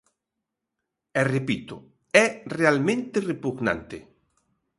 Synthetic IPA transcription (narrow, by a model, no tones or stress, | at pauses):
erepit̪o | ɛrealmẽnt̪erepuɣnã̰nt̪ḛ